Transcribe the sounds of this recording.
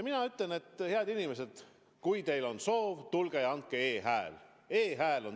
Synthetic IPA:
minɑyt̪lene̞t̪ːheɑd̪inime̞s̬e̞d̪̥ | kujt̪e̞jlo̞nso̞ːvt̪ulɡ̥ejɑnt̪̚keeːɦæḛl | eːɦæːlo̞n

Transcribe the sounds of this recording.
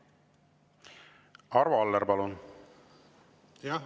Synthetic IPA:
ɑɾvɑɑlːeɾbɑlun

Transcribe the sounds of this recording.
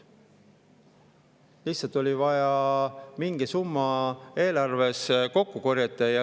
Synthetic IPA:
liçsːˑɑlt̪ːˑo̞lʲivɑjɑmiŋɡ̥isumːɑe̞ːlɑrve̞sko̞kːukoɾjɑt̪ˑːɑjɑ

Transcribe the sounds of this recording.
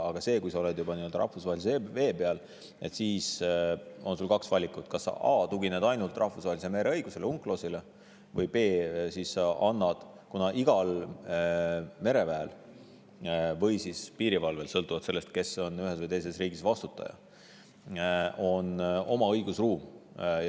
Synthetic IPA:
ɑɡ̥ɑse̞ːkujsɑo̞le̞d̪̥jubɑnieøld̪ɑɾʔɑhfusvɑːheliseve̞ːpeɑl | e̞t̪siːs | o̞nsulkɑksvɑlʲikːˑut̪kɑsːɑ̰ʔɑːt̪uɡined̪ɑjnult̪ˑrʔɑhfusvɑɦelisemeɾe̞ɤjɡ̥use̞leuŋkːˑlo̞sile | vɤjbe̞ːsissɑɑnːɑd̪̥ | kunɑʔiɡ̥ɑl | me̞ɾe̞væel | vɤ̞jsispiːɾivɑlve̞lsɤlt̪ːˑuvɑd̪selːe̞st̪̚ke̞so̞nyɦesvɤjt̪ejse̞sriːɡ̥isvɑst̪ut̪ːˑɑ̰jɑ̰ | o̞no̞mɑɤjɡ̥usruːm

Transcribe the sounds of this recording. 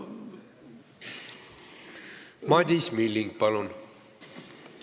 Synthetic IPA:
mɑd̪ismilːiŋɡ̚pɑlun

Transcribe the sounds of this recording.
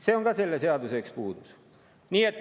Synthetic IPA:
seoŋkɑselːeseɑt̪useˑkspuːt̪us | niːet̪ː

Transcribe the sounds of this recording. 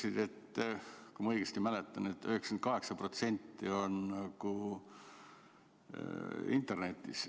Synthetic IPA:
sid̪̥e̞t̪ː | kumɑɤjɡest̪imælet̪ːˑɑne̞t̪ːˑøhekskent̪kɑɦe̞ksɑpro̞t̪se̞nʲt̪ːio̞nːɑɡ̥u | ḭnt̪ˑe̞rne̞t̪ʲːˑḭs

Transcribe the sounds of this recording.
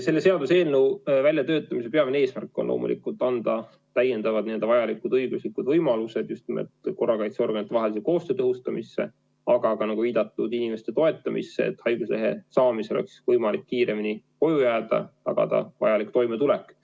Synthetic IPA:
se̞lːese̞ɑd̪useːlnuwvælʲjɑt̪ø̞ːt̪ːˑɑmis̬e̞peɑveneːsmærkˑːo̞nlo̰ːmṵlḭkult̪ːˑɑnd̪̥ɑ | t̪æjːe̞nd̪̥ɑvɑd̪̥nid̪̥vɑjɑlikud̪ɤjɡ̥uslikud̪vɤjmɑluse̞d̪̥just̪nimḛt̪ko̞rːɑkɑjt̪seo̞rɡ̥ɑnit̪ːˑevɑɦelis̬eko̞ːst̪øːt̪ɤɦust̪ɑmisːe̞̰ | ɑɡ̥ɑkɑnɑɡ̥uviːd̪̥ɑt̪ːˑud̪inime̞st̪e̞t̪o̞e̞t̪ːˑɑmʔḭsːeḛt̪ːhɑjɡ̥usle̞ɦe̞̰sɑːmiseoḛksvɤjmɑlikːiːɾe̞mini | ko̞jujæːd̪̥ɑ̰t̪ɑ̰ɡ̥ɑ̰d̪̥ɑ̰vɑ̰jɑlik̚t̪o̞jmet̪ulekˑː

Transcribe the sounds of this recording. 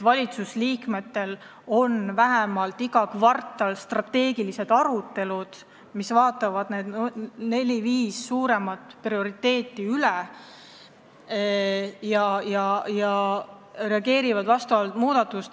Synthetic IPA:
vɑlʲit̪susliːkme̞t̪ːe̞l | o̞nvæɦemɑlt̪ːˑiɡɑkvɑrt̪ˑːɑlst̪rɑt̪ːe̞ːɡilise̞d̪ɑɾut̪ːˑe̞lud̪̥ | misvɑːt̪ːˑɑvɑd̪ne̞ːd̪nne̞lʲiviːsːuːɾe̞mɑt̪ˑprio̞ɾit̪ːe̞ːt̪ːˑiylɛ | jɑjɑjɑ | re̞ɑɡe̞ːɾivɑd̪vɑst̪ɑvɑlt̪muːd̪̥ɑt̪ːˑust̪

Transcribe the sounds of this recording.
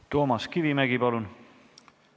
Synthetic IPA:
t̪o̞ːmɑskivimæɡipɑlun

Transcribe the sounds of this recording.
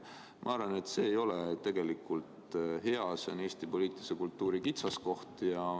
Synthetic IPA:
mʔɑ̰ɑrvɑne̞t̪se̞ːjo̞let̪e̞ɡ̥e̞likːˑult̪ɦe̞ɑseneːst̪ipo̞liːt̪ˑilisekult̪ːˑuːɾikit̪sɑsko̞ht̪jɑ

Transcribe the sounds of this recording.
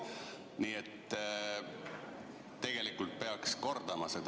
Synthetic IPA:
niːet̪ː | t̪ːe̞ɡ̥e̞likult̪̚pe̞ɑksko̞rd̪̥ɑmɑse̞d̪

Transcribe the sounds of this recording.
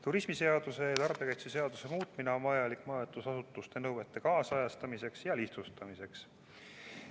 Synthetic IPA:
t̪uɾismise̞ɑd̪̥use̞jɑt̪ɑrb̥jekɑjt̪sese̞ɑd̪̥use̞muːt̪mineonvɑjɑlikmɑːot̪ːˑusɑsut̪ːˑust̪e̞nɤwwe̞t̪ːˑe̞kɑːsɑjɑst̪ɑmise̞ksjɑliht̪sust̪ɑmise̞ks

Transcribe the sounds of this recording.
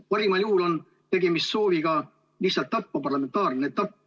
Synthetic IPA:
pɑɾimɑljuːlo̞n | t̪e̞ɡe̞mist̪so̞ːviɡ̥ɑ | lihsɑlt̪ːɑpːɑpɑrlɑme̞nt̪ːˑɑːrnet̪ːˑɑpː

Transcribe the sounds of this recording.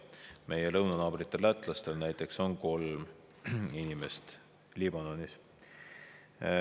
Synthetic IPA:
me̞je̞lɤwnɑnɑːb̥rit̪ːˑe̞lːæt̪ːˑlɑst̪e̞lnæjt̪ːˑe̞kso̞nko̞lm | inime̞st̪ | libɑno̞nis

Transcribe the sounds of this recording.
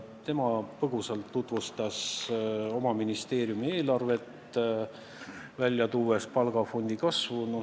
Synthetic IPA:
t̪e̞mɑpɤɡ̥uselt̪ːut̪vust̪ɑs | o̞mɑminist̪e̞ːɾjumie̞ːlɑrve̞t̪ | vælʲjɑt̪uːwespɑlɡ̥ɑfo̞nʲd̪̥ikɑsvuno

